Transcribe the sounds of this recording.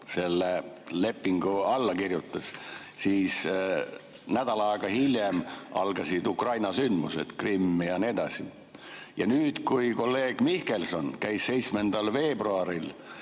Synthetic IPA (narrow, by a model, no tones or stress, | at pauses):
se̞lːe | le̞pːiŋɡ̥uɑlːɑkirjut̪ːˑɑs | siːs | næd̪̥ɑlɑɑˑeɡ̥ɑhilje̞mʔɑ̰lɡ̥ɑsid̪ukrɑjnɑsynd̪musḛd̪̥krimːijɑnied̪̥ɑsi | jɑnyːd̪̥kujko̞lːe̞ːɡ̥mihke̞lso̞nkæjsːe̞jt̪sme̞nd̪̥ɑlve̞ːbruɑɾil